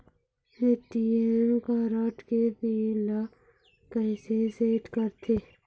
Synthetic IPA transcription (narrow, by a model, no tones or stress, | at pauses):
eːʈiemkaːɾaːʈket̪iːla | kɛɪseseːʈkəɾt̪ʰeː